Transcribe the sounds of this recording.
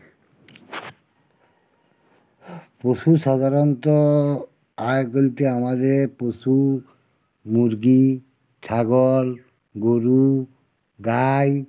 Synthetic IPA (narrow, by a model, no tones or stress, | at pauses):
posusad̪ʱaɾɔntɔ | ajkolit̪ɛamadɛposu | muɾɡi | tʰaɡɔl | ɡoɾu | ɡaj